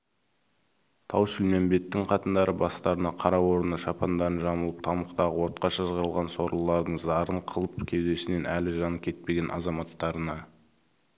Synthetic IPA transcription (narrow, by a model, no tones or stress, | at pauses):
t̪ʰɑwʃʏlme̞mbe̞t̪ːɪŋqʰɑt̪ənd̪ɑɾəbɑst̪ɑɾənɑqʰɑɾɑwo̞ɾənəʃɑpʰɑnd̪ɑɾənʒɑməlˠəp̚t̪ʰɑməqt̪ɑʁəwo̞ɾt̪̚qɑʃɑʒəʁɑɾəlˠʁɑnso̞ɾlˠəlˠɑɾd̪əɴzɑɾəɴqʰəlˠəpkʲʰe̞wd̪e̞sɪne̞nʔælɪʒɑnəkʲʰe̞t̪̚pe̞ɡʲe̞nʔɑ̰zɑmɑt̪ːɑɾənɑ